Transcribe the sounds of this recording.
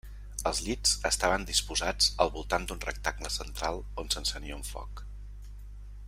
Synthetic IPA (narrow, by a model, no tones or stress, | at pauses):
əlˠzʎiz̥əst̪aβənd̪ispuzad͡zəlˠβulˠt̪and̪unrə̰k̚t̪aɡnəsənt̪ɾalˠ | onsənsəniəuɱfɔ̰k